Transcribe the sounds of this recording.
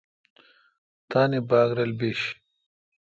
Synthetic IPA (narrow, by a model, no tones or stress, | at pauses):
t̪aːnibaːɡɾɐlbeːɕ